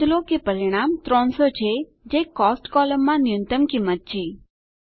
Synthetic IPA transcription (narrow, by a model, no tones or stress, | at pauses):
lokepəɾiɽ̃amt̪ɾɔ̃ɳsot͡ʃʰe | d͡ʒekɔsʈkɔləmːãnɪjənt̪əmkimːət̪̚t͡ʃʰe